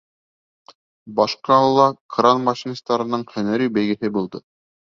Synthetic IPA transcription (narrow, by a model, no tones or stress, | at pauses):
bɑʃqɑɤlˠːɑkranmɑʃinst̪ɑɾɤ̆nɤɴχænæɾybæjɡɘ̆hɘbulˠd̪ɤ